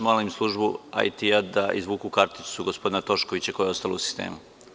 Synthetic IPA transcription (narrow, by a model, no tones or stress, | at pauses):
maːlimslˠuʒbua̰jt̪iad̪aʔizʋuːkukaɾt̪isuɡospo̞d̪inat̪o̞ʃko̞ʋit͡ɕako̞jeo̞st̪alousi̥st̪ḛːmu